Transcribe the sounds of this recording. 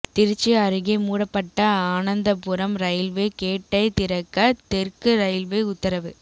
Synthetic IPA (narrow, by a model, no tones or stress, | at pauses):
t̪ɪɾt͡ʃːɯɐɾɯɣɐɪmuːɽɐpːɐʈːɐaːnɐnd̪ɐpʊɾɐmɾɐjɪlʋekeːʈːɐɪt̪ɪɾɐkːɐt̪ɛrkɯɾɐjɪlʋeʊt̪ːɐɾɐʋɯ